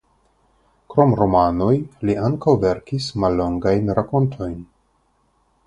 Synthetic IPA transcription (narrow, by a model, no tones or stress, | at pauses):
kɾo̞mɾo̞mano̞jliʔaŋkawve̞ɾkismalːo̞ŋɡajnɾako̞ntʰo̞jn